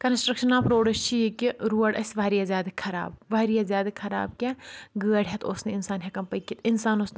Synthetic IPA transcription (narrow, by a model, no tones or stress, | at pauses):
kɐnsʈɾɐkʃɐnaːpɾoːɽɐst͡ʃʰijekiɾuɐɽʔɐ̰sʲʋaːɾijazjaːd̪ɐkʰɐɾa̰ːbʋaːɾijazjaːd̪ɐkʰɐɾa̰ːb̚kʲɛɡəːɐɽɦɛt̪oːsnɐɪnsaːnɦekɐmpɐjkːit̪ɪnsaːnosn